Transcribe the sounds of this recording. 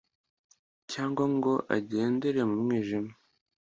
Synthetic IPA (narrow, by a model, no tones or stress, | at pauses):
caːŋɡwaŋɡo̞ʔa̰ɟe̞ːndeɾemumŋiːʒima